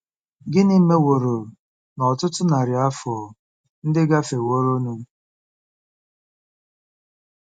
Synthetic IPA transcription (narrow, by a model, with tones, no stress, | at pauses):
ɡɪ˦ni˦me˦wo˨ɾo˨ɾ | nɔ˨tʊ˦tʊ˦na˨ɾja˦fɔ˨ | n̩˦dɪ˦ɡa˦fe˨wo˦ɾo˦nu˦